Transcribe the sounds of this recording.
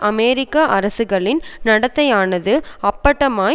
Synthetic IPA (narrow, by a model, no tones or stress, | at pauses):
ʔɐmeːɾɪkːaʔɐɾɐsɯɣɐɭɪnnɐɽɐt̪ːɐjaːnɐðɯɐpːɐʈːɐmaː